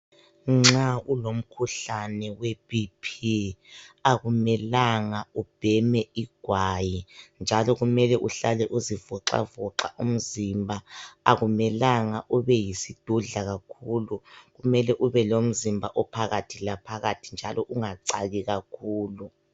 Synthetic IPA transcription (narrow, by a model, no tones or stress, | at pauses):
ŋ͡ǁaulom̩kʰuɬanɛweb̥ipʰi | aɣumɛlaŋaub̥ʱɛmɛiɡ̥ʱwajind͡ʒʱalɔɣumɛlɛʔuɬalɛʔuzivɔǁa̰vɔǁa̰ʔum̩zimbʱaaɣumɛlaŋaʔuβɛjisid̥ʱuɮaɣakʰuluɣumɛlɛʔuβɛlom̩zimbʱaʔɔpʰaɣatʰilapʰaɣatʰind͡ʒʱalʔɔʔuŋaǀaɣiɣakʰuːlu